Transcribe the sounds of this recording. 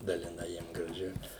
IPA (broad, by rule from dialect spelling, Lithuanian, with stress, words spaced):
dɐlʲɪˈnɐɪ ˈjiɛm ɡrɐˈʒʲɪ